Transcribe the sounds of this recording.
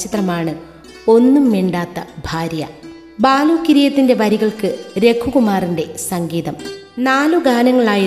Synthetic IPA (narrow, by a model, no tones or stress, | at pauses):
t͡ɕit̪rɐmaːɳɨ | o̞nːumːeɳɖaːt̪ːɐbʱaːɾjɐ̰ | baːluːkːiɾijɐt̪ːinde̞ʋɐɾiɣɐɭkɨɾe̞kʰːuɣumaːrinɖe̞sɐŋɡiːðɐm | naːluɡaːnɐŋːɐɭaːji